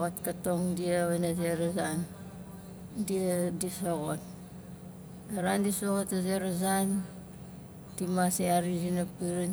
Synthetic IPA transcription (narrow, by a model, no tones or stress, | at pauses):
ɣotkatoŋdiaβenazeɾazan | diadisoɣot̚ | aɾandisoɣotazeɾazan | timaseaɾizinapiɾin